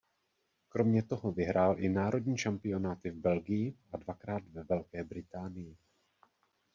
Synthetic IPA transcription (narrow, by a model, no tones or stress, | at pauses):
kɾo̞mɲɛt̪o̞ɦo̞vɪɦɾʔaːlʔɪnaːɾo̞dɲiːʃampɪo̞naːt̪ɪvbɛlɡɪjɪʔadvakɾaːt̪vɛvɛlkɛːbɾɪt̪aːnɪjɪ